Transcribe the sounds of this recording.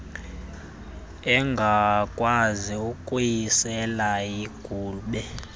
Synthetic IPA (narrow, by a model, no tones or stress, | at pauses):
ɛŋɡʱakʼwaziukʼujisɛlajiɡ̥ʱuːɓɛ